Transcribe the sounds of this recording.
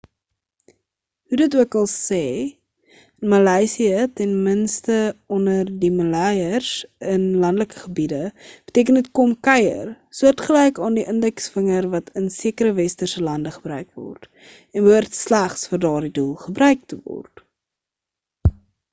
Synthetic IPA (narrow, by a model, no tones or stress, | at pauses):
hudətuəkɐlˠsɛː | nmɐlɛjsiətɛnmənstəɔndərdimɐlɛjərsənlɐndələkə̥χəbidəb̥ətiək̬ənət̚kɔmkɛjə̰r | suərtχəlɛjkɑːndiʔəndɛksfəŋərvɐtʰənsiəkəɾəvɛstərsəlɐndəχəbɾœɥkvɔ̰rt | ɛnvuərtslæχsfərdɑːrdidulˠχəbrœɥk̚təvɔ̰rt